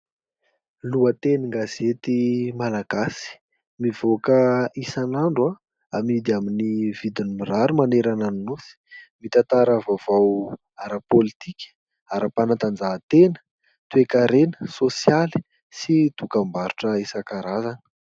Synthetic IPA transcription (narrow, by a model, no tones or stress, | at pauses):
luət̪eniŋɡaz̥et̪imalaɡ̥asi̥ | mivokəisanaɳɖ͡ʐua | amid̪iaminivid̪inumiraɾumaneɾananunusi̥mit̪at̪aɾavavaw | aɾapolit̪ikʲ | aɾapanant̪and͡zat̪enə̥ | t̪uekaɾenə̥sosjali̥ | sid̪̥ukambaɾuʈ͡ʂəesakaɾazanə̥